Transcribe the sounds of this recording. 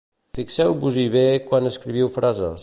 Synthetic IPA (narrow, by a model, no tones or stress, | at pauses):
fiksɛwβuziβekwanəskɾiβ̞iwfɾazə̰